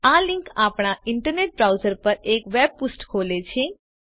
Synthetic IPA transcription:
alɪ̃ŋkapɳ̃aɪɳʈəɾneʈ̚bɾawzəɾpəɾekʋeb̚pusʈkʰolet͡ʃʰe

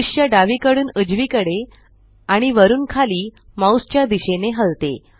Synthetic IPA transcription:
uɕjəɖaʋikəɽuːnəd͡ʑʋiːkəɽe | aɽ̃iʋəɾuːnkʰaliː | mãust͡ɕjad̪iɕeneɦəlt̪ḛ

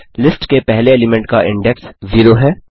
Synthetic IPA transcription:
lɪsʈkepɛɦleɛːlɪmɛ̃ɳʈ̚kaʔɪ̃ɳɖɛksziːɾoɦɛː

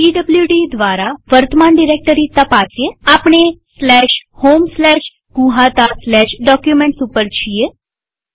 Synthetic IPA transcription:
iɖəbljuɖid̪ʋaɾaʋəɾt̪əmanɖiɾek̚ʈəɾit̪apat͡sjeapɳ̃eslɛɕhomslɛɕ | ɡũɦat̪aslɛɕɖɔkjumeɳʈsupəɾt͡ɕʰije

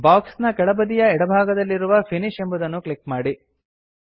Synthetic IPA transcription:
baːksnɐkɛɭɐbɐd̪ijɐɛɽɐbʱaːɡɐd̪ɐlːiɾuʋɐpʰiniʃembɐd̪ɐnːukɭikmaːɽi

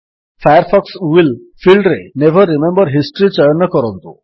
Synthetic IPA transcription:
fʰajɔɾpʰɔksuwil | pʰilɖɾenebʱəɾːimembɔɾɦisʈɔɾit͡ʃɔjɔnːɔkɔɾɔnt̪ṵ

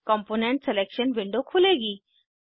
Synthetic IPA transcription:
kɔmponeɳʈselekɕənʋiɳɖokʰuleɡi

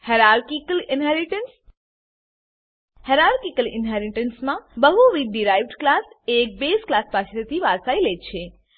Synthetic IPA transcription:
heɾaɾkikəlɪnɦɛɾiʈəns | heɾaɾkikəlɪ̰nɦɛɾiʈənsmãbəɦuʋiɖiɾajʋɖklasek̚besklaspat͡ʃʰetət̪iʋaɾsailet͡ʃʰe

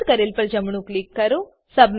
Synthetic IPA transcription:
kɐɾelpɐɾd͡ʒɐmuɳuklikːɐɾu | sɐbm

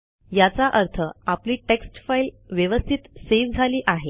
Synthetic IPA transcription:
jat͡saʔəɾt̪ʰəapliːʈeksʈfail | ʋjəʋəst̪ʰit̪seʋd͡zʱaliːʔaɦe

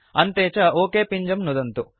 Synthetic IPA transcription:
ɐnt̪eːt͡ʃɐoːkeːpiɲd͡ʒɐmnud̪ɐnt̪u

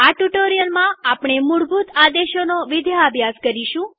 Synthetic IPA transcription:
aʈuʈoɾijəlmãapɳ̃emuɽbut̪ad̪eʃonoʋɪd̪ʱjaːbʱjaskəɾiʃũ

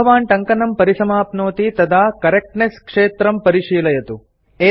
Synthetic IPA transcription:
ɐʋaːnʈɐŋkɐnɐmpɐɾisɐmaːpnoːt̪it̪ɐd̪ʱaːkɐɾek̚ʈneskʂeːt̪ɾɐmpɐɾiʂiːlɐjɐt̪u | eː

